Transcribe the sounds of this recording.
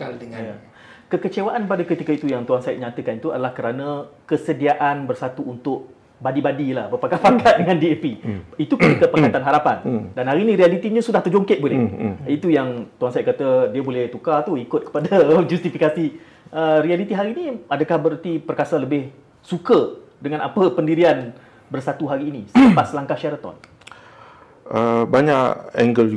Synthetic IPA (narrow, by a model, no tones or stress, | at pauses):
adəŋja | kəkət͡ʃewaʔanpadəkət̪ikəit̪ujaŋt̪uansaɪt̪̚ɲat̪əkanit̪uadalahkəɾanə̃kəsədiaʔanbərsat̪uːnt̪ʊʔ̚ | badibadilahbərpakapakat̪̚dəŋãndiepiit̪ukət̪ikəpəkkat̪anɦaɾapandanɦaɾinĩɾialit̪iɲə̃sudaht̪ərd͡ʒoŋkɪt̪̚bolɛit̪ujaŋt̪uansajaʔ̚kat̪ədiəbolɛht̪ukat̪uikʊt̪̚kə̥padad͡ʒust̪ifikasi | ərialit̪iɦaɾiːniadəkahbəɾət̪ipərkasaləbɪh | sukə | dəŋãnapəpəndiɾian | bərsat̪uɦaɾiːnisəəmpasəlaŋkahʃaɾət̪ɔ̰n | əbaɲaʔɛ̰ŋɡəlu